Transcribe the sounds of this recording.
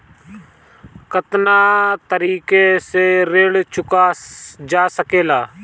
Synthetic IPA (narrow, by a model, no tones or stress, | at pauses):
kət̪naːt̪əɾiːkeseɾeːɽt͡ʃʊkad͡ʒaːsəkeːlaː